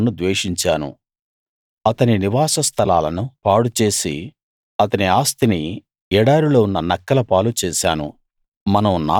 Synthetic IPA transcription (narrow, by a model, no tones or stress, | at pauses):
nːud̪ʋeːʂiɲt͡ʃaːnṵ | ɐt̪ɐniniʋaːsɐst̪ʰɐla̰ːlɐnupaːɽut͡ʃe̞ːsi | ɐt̪ɐniaːst̪ini | ɛɽaːɾuloːunːɐnɐkːɐlɐpaːlut͡ʃɛːʃaːnṵ | mɐnɐmna̰ː